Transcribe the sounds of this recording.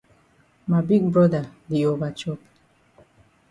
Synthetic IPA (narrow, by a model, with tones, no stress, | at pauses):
ma˨bi˦ɡ̚bɹɔ˦da˨di˨ova˨t͡ʃɔ˦p